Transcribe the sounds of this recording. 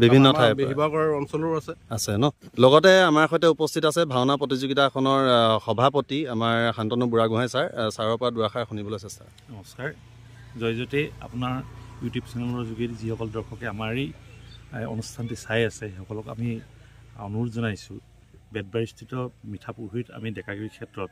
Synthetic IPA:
bibʱinnːɔtʰajbeɦibakɔɹaɹɔnsɔlɔɹasɛasɛnɔlɔɡɔtɛamaɹxɔjtɛupɔstʰitasɛbʱawnapɹɔtizuɡitakʰɔnɔɹxɔbʱapɔtiamaɹxantɔnubuɹaɡuɦajsaɹsaɹɔɹpɔɹaduɹaxaɹxunibɔlojsɛsta̰ | nɔmɔskaɹ | zɔjzɔtɛa̰pʊnaɹjutjubsɛnɛlɔɹɔzuɡitzihɔkɔldɔɹxʰɔkɛamaɹi | ɔ̰nustʰantisajasɛɔkɔlɔka̰mi | ɔ̰nuɹzɔnajsʊ | bɛd̚baɹistʰitɔmitʰapuɦita̰midɛkakɹikʰɛtɹɔt̚

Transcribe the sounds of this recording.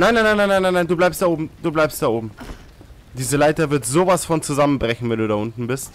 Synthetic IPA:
naɪnaɪnaɪnaɪnaɪnːaɪnaɪnduːblaɪpstd̥aːʔoːbm̩d̥uːblaɪpstd̥aːʔoːbm̩ | d̥iːzəlaɪtɐvɪɐtz̥oːvasfɔnt͡suzamənbʁɛçn̩vɛnduːdaʔʊntn̩bɪst

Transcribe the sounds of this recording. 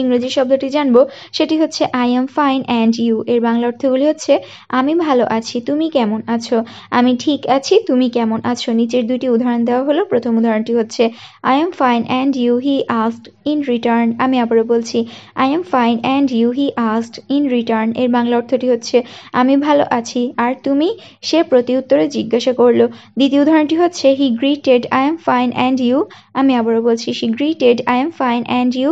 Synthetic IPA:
iŋɾod͡ʑiɾʃɔb̚d̪oʈid͡ʑanbo | ʃeʈiɦotːɕʰeʔajɛmfajnɛɳɖjuʔeɾbaŋlaoɾt̪ʰoɡuliɦotːɕʰe | amibʱaloʔat͡ɕʰit̪umikɛmonat͡ɕʰo | amiʈʰikat͡ɕʰit̪umikɛmonʔat͡ɕʰonit͡ɕeɾd̪ujʈiud̪ʱaɾond̪eoaɦolopɾot̪ʰomud̪ʱaɾonʈiɦotːɕʰe | a̰jamfajnʔɛɳɖjuɦiʔasʈ | inɾiʈaɾnamiabaɾobolt͡ɕʰia̰jɛmfajnɛɳɖjuɦiʔasʈinɾiʈaɾneɾbaŋlaoɾt̪ʰoʈiɦotːɕʰea̰mibʱalo̰ʔat͡ɕʰiaɾt̪umi | ʃepɾot̪iut̪ːoɾed͡ʑiɡːaʃakoɾlod̪it̪ioud̪ʱaɾonʈiɦotːɕʰeɦiɡɾiʈeɖajɛmfajnʔɛɳɖju | amiabaɾobolt͡ɕʰiʃiɡɾiʈeɖajamfajnʔɛɳɖju

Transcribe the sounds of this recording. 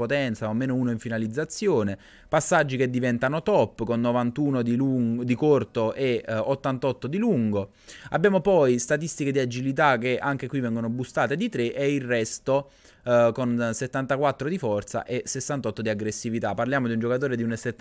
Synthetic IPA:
pot̪ɛnt̪saomeːnouːnoiɱfinalid̪zːat̪sːjoːne | pasːad͡ʒːik̟ed̪ːivɛnt̪anot̪ɔpːkonːovant̪uːnod̪ilud̪ikort̪oʔeot̪ːant̪ɔt̪ːod̪iluŋɡo | abːjaːmopɔjst̪at̪ist̪iked̪iad͡ʒilit̪̬ak̟ːeʔaŋk̟ekwivɛŋɡonobust̪aːt̪ed̪it̪ɾeʔeilrɛst̪o | konset̪ːant̪akwat̪ːɾod̪ifɔrt̪sa̰ʔesesːant̪ɔt̪ːod̪iaɡɾesːivit̪apːarljaːmod̪iund͡ʒokat̪oːɾed̪iunset̪ː

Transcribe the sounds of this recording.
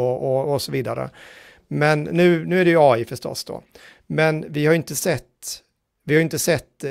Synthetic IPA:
ɔʔɔɔsɔviːd̪a̰ɾə̰ | mɛnːʉ̟ːnʉ̟ːæɖɛjɵɑːɪfœʂt̪ɔ̰sd̪o̰ː | mɛnvɪhaɾjʏɪnt̪əsɛt̪ː | vɪhaɾʏɪnt̪əsɛt̪ː

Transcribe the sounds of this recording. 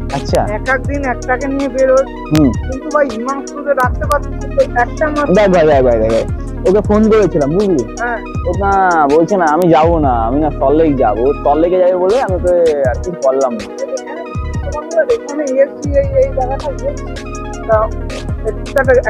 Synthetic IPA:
atːɕʰa̰ɛkak̚d̪inɛk̚ʈakenijebeɾo | ɦũkint̪ubajumanskut̪eɾant̪epat̪ʰːeot̪oɾɛkʈamabajbʱajbʱajbʱajbʱajbʱaj | okefonkoɾet͡ɕʰilambuɡliɦɛ̃ | oknabolt͡ɕʰenaamid͡ʑabonaa̰minast̪ɔlːekd͡ʑa̰bost̪ɔlːeked͡ʑabeboleamiokeaɾkikɔlːamaeea | t̪omaolad̪ekoneiesɖiejejd͡ʑaɡaʈaies | i | ae | ʈak

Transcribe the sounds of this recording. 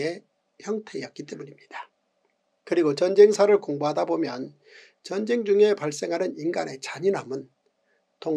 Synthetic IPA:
e | çjʌŋtʰe̞jʌk͈it͈e̞muɲimɲid̥a | kɯɾiɡot͡ɕʌnd͡ʑe̞ŋsʰaɾɯɭkoŋboɦadabomjʌn | t͡ɕʌnd͡ʑe̞ŋd͡ʑuŋe̞paɭs͈e̞ŋɦanɯninɡane̞t͡ɕaɲinɦamɯn | to

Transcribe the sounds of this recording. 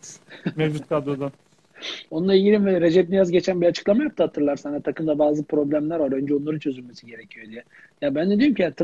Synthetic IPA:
mevd͡ʒut̪̚kʰad̪od̪a | o̞nunˠaiɟilʲinvɛɾe̞d͡ʒɛp̚d̪ijazɟe̞t͡ʃʰænbiat͡ʃʰɯ̥klˠamajap̚t̪ʰahat̪ʰːɯɾlˠaɾsanat̪ʰakɯmd̪abaːzɯpʰɾo̞blʲæmlʲæɾalø̞nd͡ʒɛonlˠaɾɯt͡ʃʰø̞zylʲme̞siɟe̞ɾecʰijod̪ijɛ | jabænd̪ɛd̪ijomcʰiat̪ʰ

